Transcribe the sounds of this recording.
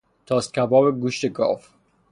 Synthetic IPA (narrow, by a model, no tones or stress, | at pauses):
t̪ʰɒːst̪̚kʲʰæbɒːbeɡuːʃt̪eɡɒ̰ːf